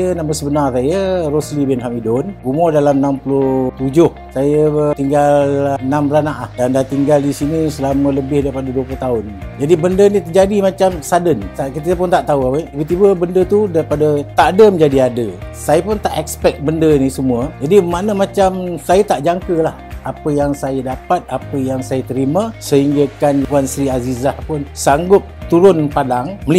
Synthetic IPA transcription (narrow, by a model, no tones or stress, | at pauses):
ənaməsəbənarsajəroslibɛnɦamidɔnɡumɔdalamənampulʊht̪ud͡ʒʊh | sajət̪iŋɡalənamlanaʔlahdandat̪iŋɡaldisinisəlamələbɪhdaɾipadəduəplʊht̪aʊnːi | d͡ʒadibəndənĩt̪əd͡ʒadimat͡ʃamsadənsakit̪əpʊnt̪aʔt̪auaəibət̪ibəbəndət̪udaɾipadət̪aʔdəməɲd͡ʒadiadə̰sajapʊnt̪aʔɛkspɛk̚bəndənisəmuəd͡ʒadimanəmat͡ʃamsajat̪aʔd͡ʒaŋkəlahapəjaŋsajədapat̪̚apəjaŋsajat̪əɾimasəɦiŋɡakankuansɾiazizahpʊnsaŋɡʊp̚t̪uɾʊnpadaŋməli